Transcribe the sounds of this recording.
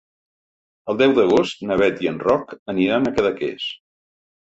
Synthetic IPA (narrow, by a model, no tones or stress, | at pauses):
əlˠd̪ɛwðəɣ̞ost̪nəβɛt̪iənrɔkəniɾanəkəðəkḛs